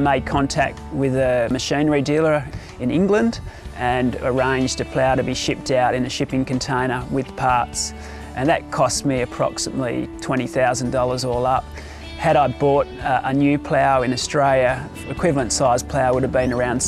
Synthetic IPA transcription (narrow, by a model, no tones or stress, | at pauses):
meɪd̚kʰɑ̃ntʰæ̰k̚t̚wɪðɨmɨʃĩnə˞idilˠə˞ | ɨ̃nɪ̃ŋɡlə̃ndʔɨ̃nə˞ẽɪ̃nd͡ʒdɨpʰl̥aʊəɾɨbiʃɪp̚taʊɾɨ̃nɨʃɪpɪ̃ŋkɨ̃ntʰẽɪ̃nə˞wɪð̥pʰɑɹts | ʔɨ̃nðɨt̚kʰɔst̚miɨpʰɹ̥ɑ̰ksəmə̰tˡlḭtʰw̥ɛ̃ɾ̃iθaʊz̃n̩dɔlˠə˞zɔlˠʌp̚ | hɨɾaɪbɔɾʔənjʉpʰl̥aʊɨ̃nɨstɹ̥eɪlˠjɨ | ɨkʰw̥ɪvl̩ˠə̃ntsaɪz̥pʰl̥aʊwʊɾɨvbɨ̃nə˞ãʊ̃nd̥